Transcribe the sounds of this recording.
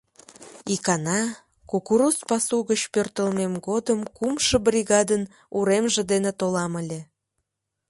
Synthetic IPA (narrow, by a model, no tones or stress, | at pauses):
ikɑnɑ | kukuɾuspɑsuɣət͡ɕpørt̪əlmemɡod̪əmkumʃəbriɣɑd̪ən | uɾemʒed̪enet̪olɑməlʲe